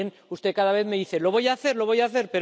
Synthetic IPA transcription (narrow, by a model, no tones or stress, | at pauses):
en | ust̪ekaðaβ̞e̞ðme̞ðiθe̞lo̞β̞o̞jaːθe̞ɾlo̞βo̞jaːθe̞ɾpe̞ɾ